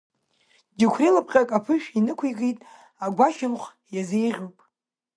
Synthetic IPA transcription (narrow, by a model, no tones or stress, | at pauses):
d͡ʒɪkʷʰrilapʰʼqʲʼakʼapʰɨʃᶣinɨkʷʰijɡitʼ | aɡʷaʃɪmχ | jazejʁʲupʼ